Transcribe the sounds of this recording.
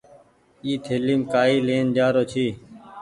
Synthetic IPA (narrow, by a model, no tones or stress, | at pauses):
iːt̪ʰeliːmkaːiːleːnd͡ʒaːɾoːt͡ʃʰiː